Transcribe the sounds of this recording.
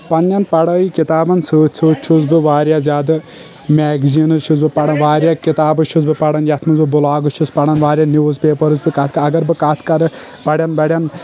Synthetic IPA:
pɐnːjɐnpɐɽɐːikit̪aːbɐnsɨːsʰuːt͡ʃʰuzbɨʋaːɾjaːzʲaːd̪ɨ | mʲɛːɡzinɨt͡ʃʰuzbɨpɐɽɐnʋaːɾʲjakit̪aːbɨt͡ʃʰuzbɨpɐɽɐnjɐt̪ʰmɐzbɨbʊlaːɡɨt͡ʃʰuspɐɽɐnʋaːɾjaːniʋuzpʲeːpɐɾɨzbɨkɐt̪̚ʰkɐɐɡɐɾbɨkat̪ʰkɐɾɨ | pɐɽʲjɐnbɐɽʲjɐn

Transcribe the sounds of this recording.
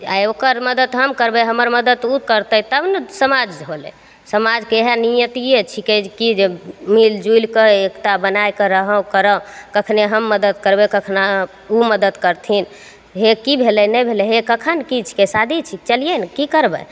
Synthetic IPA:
a̰okəɾməd̪əd̪ɦəmkəɾbɛɦəməɾməd̪ət̪ukəɾt̪ət̪əbnsəmad͡ʒɦolɛ̰ | səmad͡ʒkeɦanijət̪ijet͡ʃʰikɛd͡ʒkid͡ʒemild͡ʒujlkeekt̪abənajkəɾəɦə̃kəɾəkəkʰneɦəmːəd̪əd̪kəɾbɛkəkʰna | uməd̪əd̪kəɾt̪ʰin | ɦekibʱelɛnɛjbʱelɛɦekəkʰənkit͡ʃʰi̥kesad̪ʱit͡ʃʰik̚t͡ʃəlijenkikəɾbə̰

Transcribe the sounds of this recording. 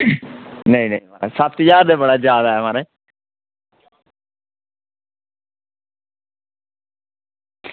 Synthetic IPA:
nəĩːnḛĩaːɾesəp̚ʰt̪jaːd̪ebəɽaːd͡ʒjaːd̪aːɛmãːɾeː

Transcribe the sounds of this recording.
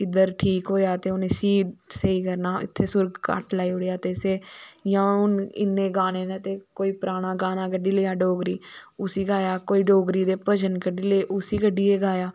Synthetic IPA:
ɪd̪əɾʈʰiːkɦoːjaːt̪eːʊnẽːsiːɖseiːkəɾnaːɪ̰t̪ʰːeːsʊɾɡka̰ʈlaːiːʊɽejaːt̪eːseːjãːʊnɪ̰nːẽːɡaːneːnet̪eːkoːiːpɾaːɽ̃aːɡaːnaːkəɖiːleːjaːɖoːɡɾiːʊsiːɡaːjaːkoːiːɖoːɡɾiːd̪eːpəd͡ʒənkəɖiːleːʔʊsiːkəɖiːeːɡaːjaː

